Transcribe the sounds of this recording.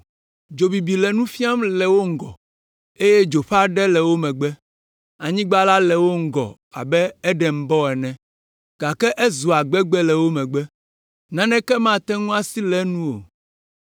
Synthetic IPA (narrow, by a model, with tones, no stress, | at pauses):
d͡ʒo˨bi˨bi˨lɛ˨nũ˦fi˦a˦mlɛ˨wo˦ŋ̩˦˨ɡɔ̰˨ | e˦jɛ˦d͡ʒo˨ɸa˦ɖɛ˦lɛ˨wo˦mɛ̃˨ɡ͡bɛ˦ | a˨ɲĩ˦ɡ͡ba˦la˦lɛ˨wo˦ŋ̩˦ɡɔ̰˨ | a̰˨bɛ˦ɛ˦ɖɛ˨m̩˨bɔ˦ɛ˨nɛ̃˦ | ɡ̥a˨kɛ˦ʔɛ˦zu˨a˨ɡ͡bɛ˦ɡ͡bɛ˦lɛ˨wo˦mɛ̃˨ɡ͡bɛ˦ | nã˦nɛ̃˦kɛ˦mã˦˨t̪ɛ̃˦ŋũ˦a˦si˦lɛ˦nũ˦o̰˨